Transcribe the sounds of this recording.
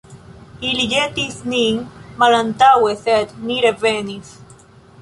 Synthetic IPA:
ilijet̪iθniŋmalant̪aweθet̪niɾeveniθ

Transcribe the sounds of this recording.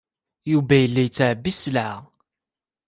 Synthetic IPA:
juvæjəlːæjət͡sːʕəbːisːlʕa

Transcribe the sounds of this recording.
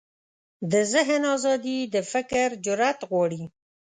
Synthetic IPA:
d̪əzɪɦnɑzɑd̪id̪əfɪkɾd͡ʒʊɾat̪ɣwɑɽi

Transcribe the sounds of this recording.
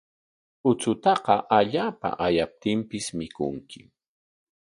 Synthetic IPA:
ʊt͡sʊt̪ɑqɑʔaʎaːpa̰ʔajap̚t̪ɪmpɪsmɪkʊ̰ŋkɪ

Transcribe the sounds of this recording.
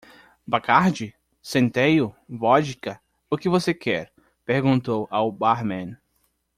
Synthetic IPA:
bakaɾd͡ʒɪ | sẽnt̪ejʊvɔd͡ʒikɐ | ʊkɪvosekɛɾ | peɾɡũnt̪owʔawbaɾmẽn

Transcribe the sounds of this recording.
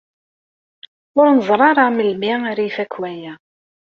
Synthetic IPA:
ʊɾnəzˤɾˤɑɾˤɑməlmiaɾijfækːwæjæ

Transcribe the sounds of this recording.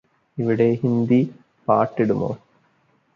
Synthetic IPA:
iʋiɽe̞ɦind̪i | paːʈːiɽumo̰ː

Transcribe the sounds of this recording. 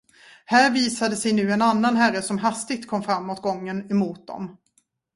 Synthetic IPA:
hæːɾviːsad̪əsɛjnʉ̟ːɛnanːanɦæɾːəsɔmɦast̪ɪɡ̚t̪kʰɔmːfɾamːoːt̪̚ɡɔŋːənɛmuːt̪̚d̪ɔ̰m

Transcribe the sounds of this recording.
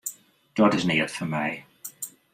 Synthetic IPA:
d̥ɒdɪzniːəd̥fəmɛɪ

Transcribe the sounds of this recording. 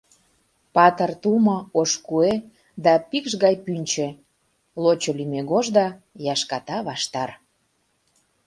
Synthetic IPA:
pɑt̪ərt̪umɤ̆oʃkue | d̪ɑpikʃɣɑjpynʲt͡ɕe | lot͡ɕolymeɣoʒd̪ɑ | jɑʃkɑt̪ɑβɑʃt̪ɑr

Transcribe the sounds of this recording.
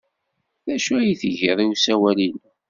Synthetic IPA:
ðæʃuæjθʝiðˤiwusæwælin

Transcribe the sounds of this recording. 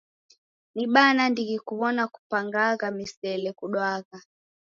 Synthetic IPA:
niɓanandiɣikuβɔnaku̥paŋɡaɣamisɛlɛkuɗwaɣa

